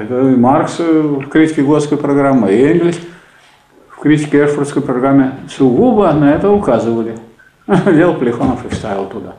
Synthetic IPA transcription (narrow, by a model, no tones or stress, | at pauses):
ɛt̪əɪmarksfkɾʲitʲɪkʲɪɡot̪skəjpɾɐɡɾamːɨenɡlʲɪsʲ | fkɾʲitʲɪ̥kʲɪɛrfərt̪skəjpɾɐɡramʲːɪsʊɡubənɐɛt̪əʊkazɨvəlʲɪ | dʲelˠpəlʲɪxonəfɨfst̪avʲɪlˠt̪ʊd̪a̰